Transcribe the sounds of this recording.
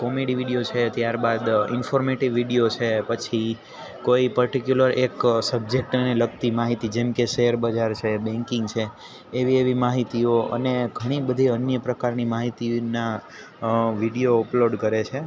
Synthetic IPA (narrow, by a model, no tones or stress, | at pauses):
kɔmeɽiʋiɽiot͡ʃʰet̪jaɾbad̪ɪ̰nfʰoɾmeʈiʋːiɽijot͡ʃʰepət͡ʃʰi | koipəɾʈikjuləɾeksəb̚d͡ʒek̚ʈneləɡt̪imaɦit̪id͡ʒemkeʃeəɾbəd͡ʒaɾt͡ʃʰebɛ̃ŋkɪ̃ŋɡt͡ʃʰeː | ʋieʋimaɦit̪ioʔə̰neɡʱəɽ̃ibəd̪ʱiənjəpɾəkaɾnimaɦit̪ina | ʋiɽijoəploɖkəɾet͡ʃʰe